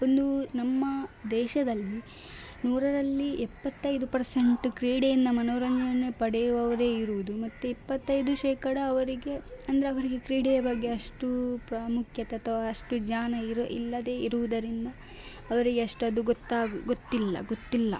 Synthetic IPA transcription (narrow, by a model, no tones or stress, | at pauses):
ond̪unɐmːɐd̪ɛːʃɐd̪ɐlːi | nuːɾɐɾɐlːiʔɛpːɐt̪ːɐjd̪upɐɾseɳʈukɾiːɽejind̪ɐmɐnoːɾɐɲd͡ʒɐnɐnepɐɽɛjuʋɐʋɐɾe̞ːiɾuʋud̪umɐt̪ːuipːɐt̪ːɐjd̪uʃɛːkɐɽɐːʋɐɾiɡe̞ɐnd̪ɐɾeɐʋɐɾiɡe̞kɾiːɽejɐbɐɡːe̞ɐʂʈupɾaːmukʰjɐt̪eɐt̪ʰɐʋaɐʂʈud͡ʒɲaːnɐiɾḭlːɐd̪e̞ːiɾuʋud̪ɐɾind̪ɐ | ɐʋɐɾiɡeɐʂʈuɐd̪uɡot̪ːaːɡuɡot̪ːilːɐ̰ɡot̪ːilːɐ̰